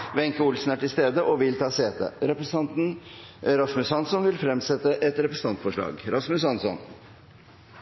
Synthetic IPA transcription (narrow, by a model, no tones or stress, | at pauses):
ʋɛŋkəʊlsnæʈɪlst̪eːd̪əʔɔʋɪlt̪ʰɑːseːt̪ə̰ɾɛpɾəsɑnt̪n̩ | ɾɑsmʉshɑnsɔnʋɪlfɾɛmsɛt̪əʔɛt̪ɾɛpɾəsə̥n̩ʰɑnt̪fɔʂɭɑ̰ːɡɾɑsmʉsɑnsɔ̰n